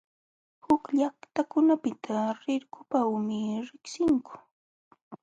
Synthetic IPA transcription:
hʊkʎakt̪akʊnapɪt̪ʰaɾɪɾkʊpawmɪɾɪksɪŋkʊ̥

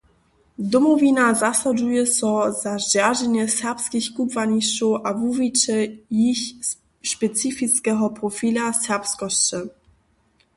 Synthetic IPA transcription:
d̪ɔmɔvʲinazasad͡ʒujɛsɔzazd͡ʑaʒɛɲɛsɛʁpskʲixkupvaɲist͡ʃɔwʔavuvit͡ʃɛjiç | ʃpɛt̪t͡s̪ifitskɛɦɔpɾɔfilasɛʁpskɔɕt͡ʃɛ

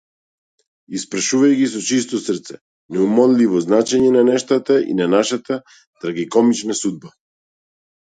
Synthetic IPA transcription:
ispɾaʃuvajɡisɔt͡ʃist̪ɔsr̩t̪sɛ | nɛumɔnlivɔznat͡ʃɛɲɛnanɛʃt̪at̪aḭnanaʃat̪a | t̪ɾaɡikɔmit͡ʃnasud̪̚ba

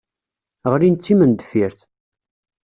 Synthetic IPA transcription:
ʁɾint͡s̪ːimənd̪əfiɾθ

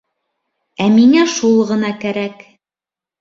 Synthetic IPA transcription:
æmiŋæʃulˠʁɤ̆nɑkæɾæk

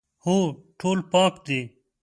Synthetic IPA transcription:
hoːʈʰoːlpãːkd̪eː

